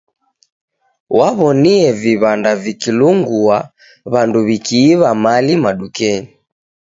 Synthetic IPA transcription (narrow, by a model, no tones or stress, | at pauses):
waβɔniɛviβandavikiluŋɡua | βanduβikiːβamalimaɗukɛɲi